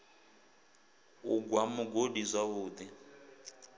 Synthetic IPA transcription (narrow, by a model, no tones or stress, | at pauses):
uɡwamuɡodizʷaβuːd̪i